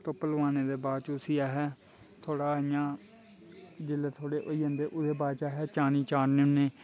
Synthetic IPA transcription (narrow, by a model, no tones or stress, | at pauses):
t̪oːpəlʋaːneːd̪eːbaːd̪t͡ʃʊsijaːɦɛː | t̪ʰoːɽaːɪjãː | d͡ʒɪleːt̪ʰoːɽeːʔoːiːɦə̃nd̪eːʔʊd̪eːbaːd̪t͡ʃaːɦɛːt͡ʃaːniːt͡ʃaːnnẽneː